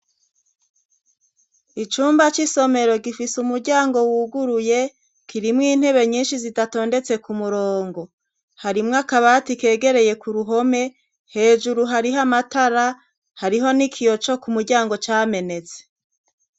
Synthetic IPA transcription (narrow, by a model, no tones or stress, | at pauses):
it͡ʃuːmbat͡ʃiso̞me̞ɾo̞ɡifisumuɾɟaːŋɡo̞wuːɡuɾuje̞ | kʰiɾimŋiːn̥he̞βe̞ɲiːnʃizidato̞ːnde̞t͡se̞kumuɾoːŋɡo̞ | haɾimŋakaβatike̞ːɡe̞ɾe̞je̞kuɾuɦo̞me̞ | he̞ːʒuɾuɦaɾiɦamataɾa | haɾiɦo̞nikʰijo̞t͡ʃo̞kumuɾɟaːŋɡo̞t͡ʃaːme̞ne̞t͡se̥